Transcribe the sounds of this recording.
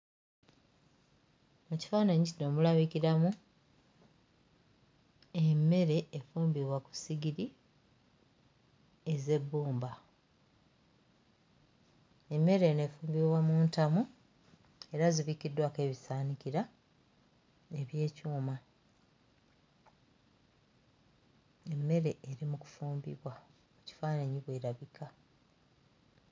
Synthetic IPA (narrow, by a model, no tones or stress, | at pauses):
muci̥faːnaɲicino̞mulaβiciɾamu | e̞mːe̞ɾe̞ːfuːmbiβwaku̥siɡiɾi | e̞ze̞bːuːmba | e̞mːe̞ɾe̞ne̞ːfuːmbiβwamuːntamu | e̞ɾaziβikidːwake̞ːβisaːniciɾa | e̞βje̞ːcuːma | e̞mːe̞ɾe̞ʔːɾimuku̥fuːmbḭβwa | muci̥faːnaɲiβwe̞ːɾaβikʰa